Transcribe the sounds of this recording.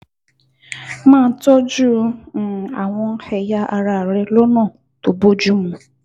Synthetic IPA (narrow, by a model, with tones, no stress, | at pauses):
mãː˦˨n̩˦tɔ˦d͡ʒũ˦˧˦a̰˨w̃ɔ̃˧n̩˦hɛ˧ja˦ʔa˧ɾa˨ɾɛ˦lo˦nã˦˨ | to˨bo˦d͡ʒu˦mũ˨